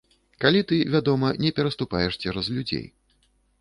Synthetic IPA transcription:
kalʲit̪ɨvʲad̪ɔmɐnʲɛpʲɛɾɐst̪upajɛʂt͡sʲɛɾɐzlʲud͡zʲḛj

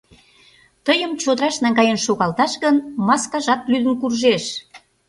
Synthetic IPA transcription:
t̪əjəmt͡ɕod̪əɾɑʃnɑŋɡɑjenʃoɣɑlt̪ɑʃɣənmɑskɑʒɑt̪lyd̪ənkurʒeʃ

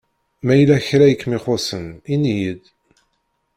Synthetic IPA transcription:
mæjlæçɾæjəkːmiχosəninijəd̪

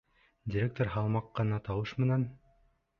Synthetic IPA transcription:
dʲiɾʲek̚t̪oɾɦɑlˠmɑqːɤ̆nɑt̪ɑwɤʃmɘ̆næn

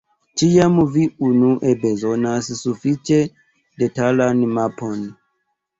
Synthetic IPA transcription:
t͡ʃiamviunuʔebezonassufit͡ʃe | detalanmapon

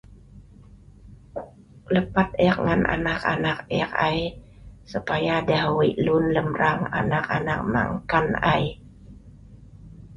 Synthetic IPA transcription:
ləpat̪̚ɛk̚ŋanʔa̰nakanak̚ɛkaj | supajadahwiʔlʊnləmɾaŋa̰nakanak̚ma̰ŋkanaj

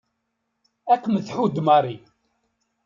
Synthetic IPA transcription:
ækːməθħud̪maɾˤi

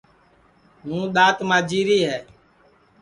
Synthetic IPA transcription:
nũːɗ̪aːt̪mãːd͡ʒiːɾiːɦɛː

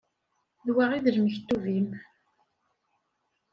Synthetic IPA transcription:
ðwaʁiðəlməçt̪ːuvim

